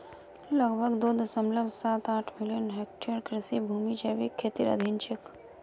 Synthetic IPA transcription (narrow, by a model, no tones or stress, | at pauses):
ləɡbʱəɡd̪oːd̪osə̃mbləbsaːt̪aːʈʰmɪlijənɦeːk̚ʈeɾkɾɪsibʱuːmit͡ʃɐːʋikʰːeːt̪iɾɐ̰d̪ʱint͡ʃɪk